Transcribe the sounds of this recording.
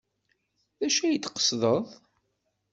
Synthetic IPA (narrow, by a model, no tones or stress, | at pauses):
ðæʃæjət͡s̪ːqə̥sðˤəðˤ